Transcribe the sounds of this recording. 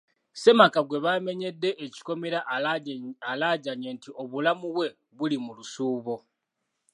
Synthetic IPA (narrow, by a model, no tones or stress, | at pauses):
se̞makaɡwe̞βame̞ɲe̞dːe̞ʔeci̥ko̞meɾaʔ | alaːɟaɲeːntiʔo̞βulamuβwe̞ | βulimulusuːβo̞